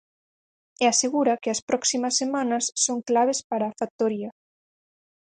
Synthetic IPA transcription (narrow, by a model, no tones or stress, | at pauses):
ɛaseɣuɾɐkeɐspɾɔksimɐsːemanɐsːoŋklaβespaɾaːfak̚t̪oɾiɐ